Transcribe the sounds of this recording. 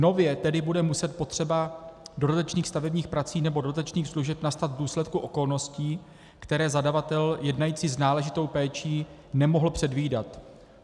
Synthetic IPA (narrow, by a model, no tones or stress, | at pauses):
no̞vjɛt̪ɛdɪbudɛmusɛt̪̚po̞t̪r̝̥ɛbado̞dat̪at͡ʃniːxst̪avɛbɲiːxpɾat͡siːnɛbo̞doat̪at͡ʃniːxsluʒɛpnast̪ad̪vduːslɛt̪̚kuʔo̞ko̞lno̞sciː | kt̪ɛɾɛːzadavat̪ɛljɛdnajiːt͡siːznaːlɛʒɪt̪o̞wpɛːt͡ʃiː | nɛmo̞ɦl̩pr̝̥ɛdviːdat̪